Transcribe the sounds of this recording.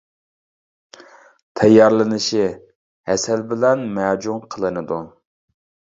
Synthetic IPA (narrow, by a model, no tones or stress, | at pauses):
t̪ʰɛjːɑɾlˠɨnɨʃi | hɛsɛlbɪlɛnmɛːd͡ʒumqʰəlˠɨnɨd̪u